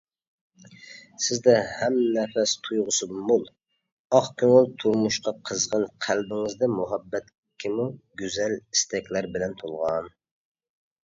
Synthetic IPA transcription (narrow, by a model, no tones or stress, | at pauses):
sɪzd̪ɛhɛmnɛfɛst̪ʰujʁʊsɨdumbolˠ | ɑχkʲøŋɪlˠt̪ʰuɾmuʃqɑqʰəzʁɑnqʰælbɪŋɨzd̪ɛmuɦɛbːɛt̪ | kʲʰimuɡʲyzɛlist̪ɛkʲlæɾbɪlɛnt̪ʰolˠʁɑn